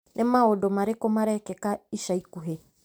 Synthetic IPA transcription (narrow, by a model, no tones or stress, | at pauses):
nʔemaodɔmaɾekomaɾɛkɛkaiʃaikuɦe